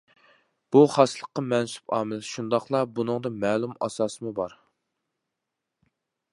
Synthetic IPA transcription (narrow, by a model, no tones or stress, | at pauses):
b̥uχɑslˠəqːɑmɛnsu̥pɑ̰ːmɨlʃund̪ɑχlˠɑbunɨŋd̪ɨmɛːlˠumɑ̰sɑːsɨmubɑɾ